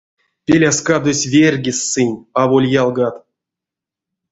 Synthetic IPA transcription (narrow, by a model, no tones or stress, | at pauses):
pʲelʲaskad̪osʲvʲerʲɡʲisːɨnʲavolʲjalˠɡat̪